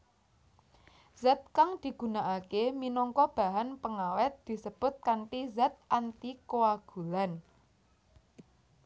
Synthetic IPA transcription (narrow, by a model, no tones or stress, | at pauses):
zɛt̪̚kaŋd̪̥i̤ɡ̥ṳnaʔakeminɔŋkɔb̥a̤ɦanpəŋawɛt̪̚d̪̥i̤səb̥ʊ̤t̪̚kaɳʈizɛt̪̚ʔant̪ikoaɡ̥ṳlan